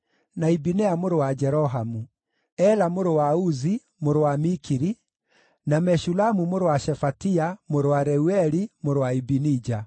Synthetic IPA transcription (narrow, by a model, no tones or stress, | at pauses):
naibinɛamoɾowad͡ʒɛɾɔɦamu | ɛlamoɾowauzi | moɾowamikiɾi | namɛʃulamumoɾowaʃɛfatiamoɾowaɾɛuɛɾimoɾowaibinid͡ʒa